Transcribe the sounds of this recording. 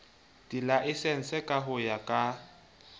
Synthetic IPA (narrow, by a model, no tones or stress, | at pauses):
dʼilaʔɪsɛn̩sɛkʼaɦʊjakʼa